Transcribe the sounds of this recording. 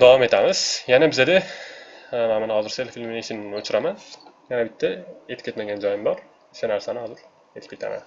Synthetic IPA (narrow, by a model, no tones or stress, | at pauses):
d̪avɑme̞t̪ʰæmɪz̥jɛnɛbized̪ɛ | mæmanhɒzɯɾselfilʲmineʃininot͡ʃʰuɾamænjɛnɛbit̪ʰːɛet̪ʰkʰʲet̪meɡʲænd͡ʒɒjimbɑɾ | i̥ʃɛnæɾsænɪhɑzɯɾ | et̪ʰi̥p̚ʲkʰʲet̪ʰæ̰mæ̰n